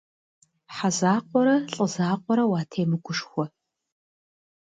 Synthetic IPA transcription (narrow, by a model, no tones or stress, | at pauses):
ħazaːqʷɔɾɐɬʼɨzaːqʷɔɾɐwaːtʰeːmɨɡʷʊʂxʷɔ